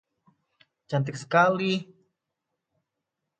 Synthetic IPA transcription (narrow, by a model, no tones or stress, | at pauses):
t͡ʃant̪̬iksə̥kali